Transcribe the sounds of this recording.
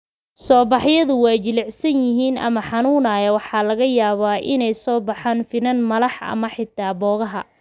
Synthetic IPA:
sɔːbɑħjɐðʊwɑːt͡ʃɪlɪʕsɐnjɪɦiːnʔɐ̰mɐħɑnuːnɐjɛwɑħɑːlɐɣɐjaːβaːʔɪnɛjsɔːbɑħaːnfɪnɐnmɐlɑħɐ̰mɐħɪt̪ʰːaːbɔːɣɐɦɐ̰

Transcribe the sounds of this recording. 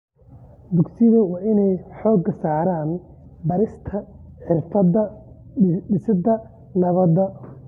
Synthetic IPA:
d̪ʊɡsɪðɐwɑːʔɪnɛjħɔːɡɐsaːɾaːn | bɐɾɪst̪ʰɐħɪrfɐdɐ | ɖɪsɐd̪ɐ | nɐβɐd̪ɐ

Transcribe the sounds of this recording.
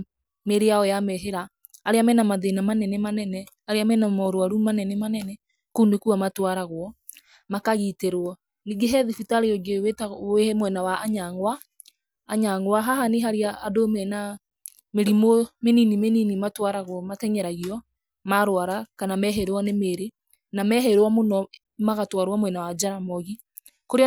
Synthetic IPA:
meɾeaɔjamɛɦeɾaː | ɾeamɛnamaðenamanɛnɛmanɛnɛ | aɾeamɛnamɔɾoaɾumanɛnɛmanɛnɛ | kunekuamatwaɾaɣwɔ | makaɣiteɾwɔ | niɡeɦɛðifitaɾeɔd͡ʒewetaemwɛnawaʔaɲaŋwaː | ɲaŋwaɦaɦaneɦaɾiaːdomɛna | meɾimomeninimeninimatwaɾaɣwɔmatɛɲɛɾaɣiɔ | maɾowaɾakanamɛɦeɾwɔnemeɾe | namɛɦɛɾwɔmonɔ | maɣatwaɾwamwɛnawad͡ʒaɾamɔɣi | koɾe

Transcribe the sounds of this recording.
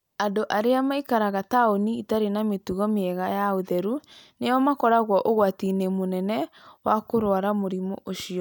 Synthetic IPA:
andoʔaɾeamaikaɾaɣataoniitaɾenametuɣɔmeɛɣajaoðɛɾunejɔmakɔɾaɣwɔʔoɣwatinemonɛnɛ | wakoɾwaɾamoɾimɔ̰ʔoʃiɔ

